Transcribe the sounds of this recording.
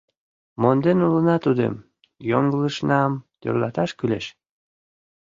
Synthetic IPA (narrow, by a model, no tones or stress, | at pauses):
mond̪enulənɑt̪ud̪ḛm | joŋɡələʃnɑmt̪ø̰rlɑt̪ɑʃkyleʃ